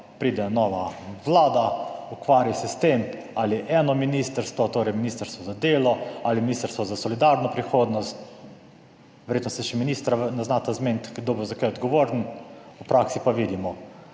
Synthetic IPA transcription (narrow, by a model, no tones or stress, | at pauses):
pɾiːd̪ɛnɔʋaʋlaːd̪aukʋaːɾjasɛst̪em | aliʔɛːnɔminist̪əɾst̪ʋɔt̪oːɾɛjminiːst̪əɾst̪ʋɔzad̪eːlɔaliminiːst̪əɾst̪ʋɔzasɔlid̪aɾnɔpɾixoːd̪nɔst̪ | ʋɛɾjet̪nɔsɛʃɛminist̪ɾanaznat̪azment̪kɡd̪obozakajɔd̪ɡɔʋoːɾnupɾaksipaʋid̪imɔ